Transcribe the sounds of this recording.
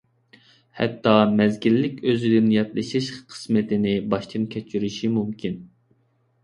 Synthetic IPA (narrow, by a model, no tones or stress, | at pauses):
hɛ̰t̪ʰːɑmɛzɡʲilːɪkʲøzɪd̪ɪnjɛt̪lɨʃiʃqʰə̥smɪt̪ɪnɪbɑʃt̪ʰɨnkʲʰɛt͡ʃʰyɾyʃimumkʲʰin